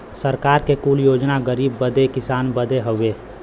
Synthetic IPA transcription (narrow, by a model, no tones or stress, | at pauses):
səɾkaːɾkekuːljoːd͡ʒnaɡəɾiːbːəd̪ekɪsaːnbəd̪eɦoeː